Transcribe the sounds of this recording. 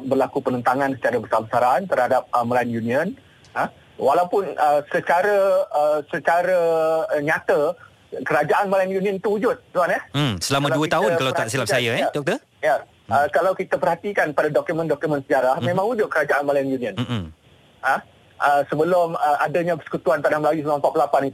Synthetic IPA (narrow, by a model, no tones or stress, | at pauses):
bərlakupənənt̪aŋãnsə̥t͡ʃaɾabəsabəsaɾant̪ərhadap̚əməlajənjuniən | ə | walawpʊnəsət͡ʃaɾəəsət͡ʃaɾəɲat̪ə | kəɾad͡ʒaʔanmlajənjuniənt̪uud͡ʒʊt̪̚d̪uanahsəlamãduəkt̪aɦʊnkkalawəraʔsilapsajaɛdɔk̚t̪ə | ja | əkalawkit̪apərhat̪ikanpadadɔkjumə̃ndɔkjumə̃nsəd͡ʒaɾahmẽmãŋud͡ʒʊt̪̚kəɾad͡ʒaʔanmalajənjuniə̃n | ə | ʔəsəbəlʊməʔadəɲãbəsə̥kut̪uant̪anahməlajusələmãmpat̪̚plapanit̪